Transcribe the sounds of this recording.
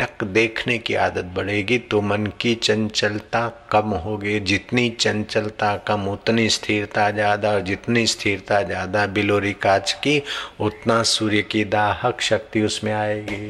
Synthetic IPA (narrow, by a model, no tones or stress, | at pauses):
ɐkd̪eːkʰnekḭa̰ːd̪ət̪̚bɐɽ̤eːɡit̪omɐnkit͡ʃɐ̃nt͡ʃəlt̪akɐmɦoːɡed͡ʒɪt̪nit͡ʃɐ̃nt͡ʃəlt̪akɐmʊt̪nist̪ʰiːɾt̪ad͡ʒaːd̪aɔːɾd͡ʒɪt̪nist̪ʰiːɾt̪ad͡ʒjaːd̪abɪloːɾɪkaːt͡ʃkiʊt̪nasuːɾjəkid̪aːhəkʃɐk̚t̪iʊsmẽaːeɡei